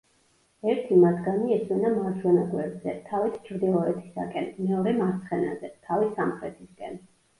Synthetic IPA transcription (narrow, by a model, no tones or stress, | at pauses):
ɛɾt̪ʰimat̪ɡaniɛswɛnamaɾt͡ʃʰwɛnaɡwɛbzɛt̪ʰavist͡ʃʰɾd̪ilˠɔɛt̪ʰi̥sa̰kʼɛnmɛɔɾɛmaɾt̪sʰχɛna̰zɛt̪ʰavisamχɾɛt̪ʰisɡɛn